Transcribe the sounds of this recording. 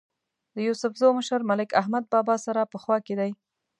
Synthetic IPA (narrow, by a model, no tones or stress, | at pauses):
d̪̥əjusʊfzoməʃəɾmalɪkaɦmad̪̚bɑbɑsaɾapəxwɑked̪aj